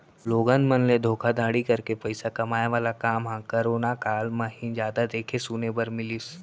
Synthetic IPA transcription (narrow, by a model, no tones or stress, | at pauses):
loːɡə̃nd̪mɐnled̪ʱoːkʰad̪ʱaːɽikɐɾkepɐɪsakɐmaːjeʋaːlakaːmɦãːkɐɾoːnakaːlmɐɦĩnd͡ʒjaːd̪ad̪eːkʰesuːnebɐɾmɪlis